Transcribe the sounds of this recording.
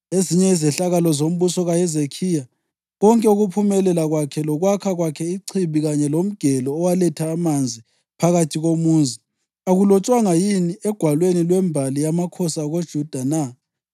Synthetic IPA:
eziɲɛizɛɬaɣalɔzom̩βusɔɣajɛzekʰija | ɣɔŋkʼɛuɣupʰumɛlɛlaɣwakʰɛlɔɣwakʰaɣwakʰɛiǀʰiβiɣaɲɛlom̩ɡ̥ʱɛlɔːwalɛtʰaːmand͡zʱi | pʰaɣatʰiɣomuːnd͡zʱi | aɣulɔt͡ʃʼwaŋajiniɛɡ̥ʱwalwenilwɛmbʱalijamakʰɔsaɣod̥ʒ̥ʱud̥ʱana

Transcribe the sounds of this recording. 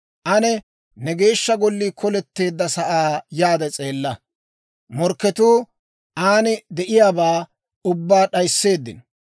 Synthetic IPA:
ʔɐnɛ | nɛɡe̞ːʃːɐɡɔlːiːkʰɔlɛt̪ːe̞ːd̪ːɐsɐʔaːjaːd̪ɛt͡sʼe̞ːlːɐ | mɔɾkːɛt̪uː | ʔaːnɪd̪ɛʔɪjaːbaː | ʊbːaːɗɐjsːe̞ːd̪ːɪ̰n

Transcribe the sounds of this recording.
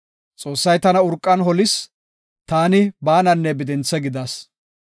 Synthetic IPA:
t͡sʼo̞ːsːɐjt̪ɐnɐʊɾkʼːɐnɦɔlɪs | t̪aːnɪbaːnɐnːɛbɪd̪ɛnt͡sːɛɡɪd̪ɐs

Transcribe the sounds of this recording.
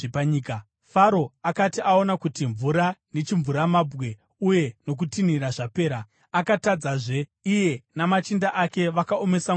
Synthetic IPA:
paɲika | faɾo̞akatiʔao̞nakutiɱvuɾane̞t͡ʃiɱvuɾamabɣe̞ | uje̞no̞k̬utiniɾaʐape̞ːɾa | akatad͡zaʐe̞ije̞namat͡ʃindaʔake̞ʋakaome̞sa

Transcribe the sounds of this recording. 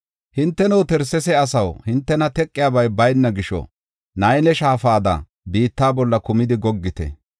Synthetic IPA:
hɪnt̪ːɛnowt̪ɛɾsɛsɛɐsɐwhɪnt̪ːɛnɐt̪ɛkʼːɪjaːbɐjbɐjnːɐɡɪʃɔ̰ | nɐjnɛʃaːfaːd̪ɐ̰ | biːt̪ːaːbɔlːɐkʊmɪd̪ɪɡɔɡːɪt̪ɛ̰

